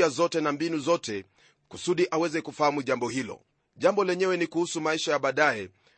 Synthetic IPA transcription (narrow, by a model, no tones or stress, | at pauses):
azɔtɛnambinuzɔtɛ | kusuɗiʔawɛzɛkufahamuʄambɔhilɔ̰ | ʄambɔlɛɲɛwɛnikuhusumaiʃajaɓaːɗaɛ